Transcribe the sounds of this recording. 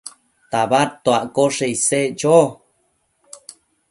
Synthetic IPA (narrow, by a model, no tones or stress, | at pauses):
t̪aβat̪ːoaʔkoʂeijsed͡ʒo